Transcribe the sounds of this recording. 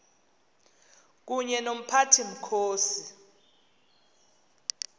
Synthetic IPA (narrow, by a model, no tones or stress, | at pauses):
k̬uɲɛnom̩pʰatʰim̩kʰoːsi